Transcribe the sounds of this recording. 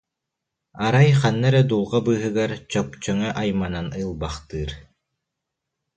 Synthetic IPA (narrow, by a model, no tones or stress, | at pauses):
aɾajχanːɛɾɛd̪ulˠʁabɯːɦɯɡaɾt͡ɕɔk̚t͡ɕœŋœʔajmananɯlˠbaχt̪ɯːɾ